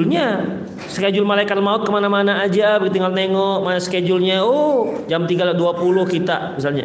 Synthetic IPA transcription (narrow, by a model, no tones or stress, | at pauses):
lɲa | sə̥ked͡ʒʊlmalajkat̪maʊt̚kəmanamanaːd͡ʒabəɡit̪iŋɡalneŋɔkmanasə̥ked͡ʒʊlɲaɔd͡ʒamt̪iɡaladuapulʊhkit̪a̰mis̬alɲa̰